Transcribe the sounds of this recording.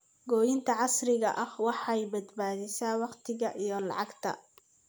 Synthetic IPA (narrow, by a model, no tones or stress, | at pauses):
ɡɔːjɪnt̪ʰɐʕɑsrɪɣɐʔɐhwɑħɑɛjbɐd̪baːðɪsaːwɑqt̪ʰɪɣɐʔijɞlɑ̰ʕɑɡt̪ʰɐ̰